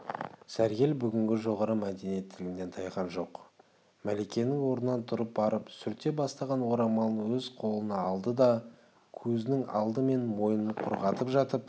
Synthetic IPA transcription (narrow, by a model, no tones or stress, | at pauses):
sæɾɡʲe̞lbʏɡʲɪŋɡʲɪʒo̞ʁɑɾəmæd̪e̞nije̞t̪ʰːɪlɡʲɪnd̪e̞nt̪ʰɑjqɑnʒo̞q | mæle̞kʲe̞nɪŋwo̞ɾnənɑnt̪ʰʊɾəp̚bɑɾəpsʏɾt̪ːe̞bɑst̪ɑʁɑnwo̞ɾɑmɑlˠəəwɵzqʰo̞lˠənɑɑlˠd̪əd̪ɑ | kʲʰɵzɪnɪŋɑ̰lˠd̪əme̞nmo̞jənəɴqʰʊ̰ɾʁɑt̪əpʒɑt̪əp